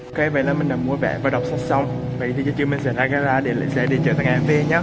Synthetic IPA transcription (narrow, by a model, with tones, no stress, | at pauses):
ʔkə˧˨˦və̰˧˨jlaː˨˩mï˨˩ŋ̟laː˨˩mːu˧˦əvɛ̰˧˩vaː˨˩ɗa˨˩wk͡p̚sa˧˥t̚sa˧wŋ͡m | və̰˧˨jt̪ʰi˨˩t͡ɕə˨˦t͡ɕɨ˧mi˨˩n̟sɛ̰˧˩zaː˧ka˨˦zaː˧ɗe˧˩l̰sɛ̰˧˥ɗe˧˩t͡ɕə̰ː˧˩t̪ʰa˧˨ŋʔɛ˧˦mve˧˩ɲaː˨˦